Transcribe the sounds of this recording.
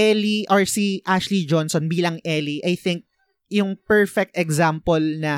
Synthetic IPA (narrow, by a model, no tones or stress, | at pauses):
ɛliʔɔɹsiʔaʃlid͡ʒɔnsɔnbiːlɐŋʔɛliʔɐjθɪŋk̚ | jʊŋpɛɹfɛk̚t̪ɛɡzampɔlnɐ